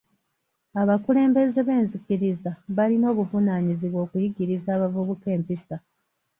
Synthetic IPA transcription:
aβakule̞ːmbe̞ze̞βe̞ːnzikiɾizaβalino̞ːβuvunaːɲiziβwo̞ːkujiɟiɾizaːβavuβuke̞ːmpisa

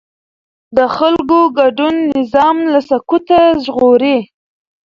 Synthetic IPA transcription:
d̪əxalkoɡaɖunːɪzɑmlasakut̪aʒɣoɾe

